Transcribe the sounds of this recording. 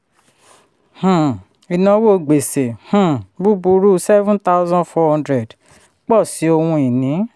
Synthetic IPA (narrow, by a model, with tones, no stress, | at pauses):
h̩˨ | i˨nã˧˦wo˦˨ɡ͡be˨se˨h̩˦˨bu˦bu˧ɾu˦sɛ˦vũ˦nta˦ʊ˦zɔ̃˦nfɔ˧hɔ̃˦ndɾɛ˨d | k͡pɔ˦˨si˨˦o˧hũ˧i˨nĩ˨˦